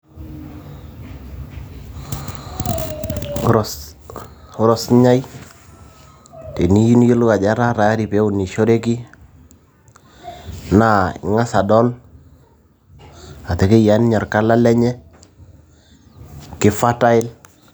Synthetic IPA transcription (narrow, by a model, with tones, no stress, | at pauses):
ɾɔs | ʊ˦ɾɔ˨sɲa˦j | te˨ni˦ji˦n˦jo˦lʊ˦ka˨d͡ʒa˦ɾa˦ɾa˨a˦ɾi˨pe˦ʊ˨ni˨ʃo˦ɾe˦ki˦ | na˦˨ɪ̰˨ŋa˦sa˨dɔ˦l | a˨tɛ˨ke˦ja˦n˦ɲɔ˨rka˦la˦lɛ˦ɲɛ˦ | kɪ˦fa˦ta˦ɪ˦l